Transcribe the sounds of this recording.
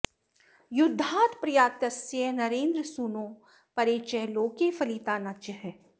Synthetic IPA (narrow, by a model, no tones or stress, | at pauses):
jʊd̪ʱːaːt̪pɾɐjaːt̪ɐsiənɐɾẽːnd̪ɾəsuːnõː | pɐɾeːt͡ʃɛɦloːkefɐliːt̪aːnat͡ʃɐɦɛ